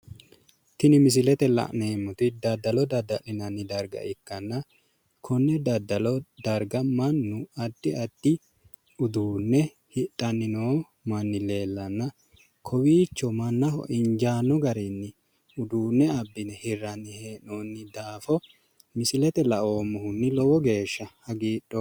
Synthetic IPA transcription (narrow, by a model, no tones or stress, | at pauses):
t̪ɪnɪmɪs̬ɪlɛt̪ɛlɐ̰ʔneːmːʊt̪ɪd̪ɐd̪ːɐlɔd̪ɐd̪ɐlɪnɐnːɪd̪ɐɾɡɐ̰ʔɪkːɐnːɐ | kʰɔnːɛd̪ɐd̪ɐlɔd̪ɐɾɡɐmɐnːʊɐd̪ːɪɐd̪̥ːɪ | ʊd̪uːnːɛ | hɪt̪ʼːɐnːɪnoː | mɐnːɪle̞ːlːɐnːɐ | kʰɔwiːt͡ʃːɔmɐnːɐɦɔ̰ʔɪɲd͡ʒaːnːɔɡɐɾɛnːɪ | ʊd̪uːnːɛɐbːɪnɛhɪrːɐnːɪheːnoːnːɪd̪aːfɔ | mɪsɪlɛt̪ɛlɐʔoːmːɔhʊnːɪlɔwɔɡe̞ːʃːɐhɐɡiːɗːɔ